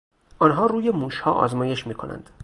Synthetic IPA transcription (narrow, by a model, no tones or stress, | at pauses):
ʔɒːnɦɒːɾuːje̞muːʃhɒːʔɒ̰ːzmɒːje̞ʃmiːkʰo̞nʔæ̰nd̪̥